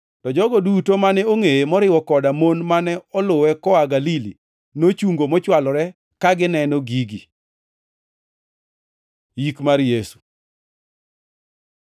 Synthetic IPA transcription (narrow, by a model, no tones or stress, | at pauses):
tɔd͡ʒɔɡɔdutomanɛoŋejemɔɾɪwɔkɔdamonmanɛɔlʊwɛkɔaɡalilḭ | not͡ʃuŋɡomɔt͡ʃwalɔɾɛ | kaɡɪnɛnɔɡiɡi | jikmarjesu̥